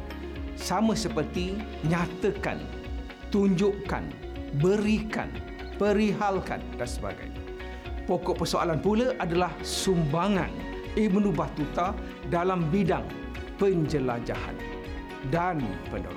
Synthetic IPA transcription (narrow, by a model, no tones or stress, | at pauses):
samə̃səpərt̪i | ɲãt̪əka̰n | t̪uɲd͡ʒʊʔka̰n | bəɾika̰n | pəɾiɦalka̰ndansəba̰ɡa̰ja | pokɔʔpərsoa̰lanpuləʔadalahsumbaŋã̰n | imənubaht̪ut̪a | dalambidaŋ | pəɲd͡ʒəlad͡ʒa̰ha̰n | danpəno̰